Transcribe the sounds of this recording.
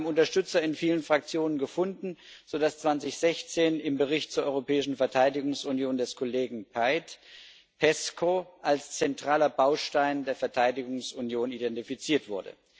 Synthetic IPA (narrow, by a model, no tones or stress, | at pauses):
bm̩ʊntɐʃtʏt͡sɐɪnfiːlənfʁ̥ak̚t͡sjoːnənɡəfʊndn̩ | z̥odast͡sv̥ant͡sɪçz̥ɛçt͡seːnɪmbəʁɪçtt͡suːɐʔɔʏʁopʰɛːɪʃn̩fɛɐtʰaɪdɪɡʊŋsunjoːndɛskʰoleːɡŋ̩pʰaɪt | pʰɛskʰoʔalst͡sɛntʁ̥aːlɐbaʊʃtaɪndeːɐfɛɐtʰaɪdɪɡʊŋsʊnjoːnidɛntifit͡siːɐtv̥ʊɐdə̰